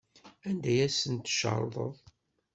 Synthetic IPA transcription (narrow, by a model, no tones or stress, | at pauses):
ænd̪æjæsənt̪ʃə̰ɾˤðˤə̰ðˤ